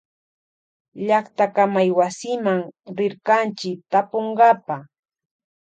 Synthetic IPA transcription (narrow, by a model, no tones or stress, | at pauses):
ʎaχt̪akamajwasɪmaŋɾɪɾkant͡ʃɪk̚t̪apoɴɢɑpa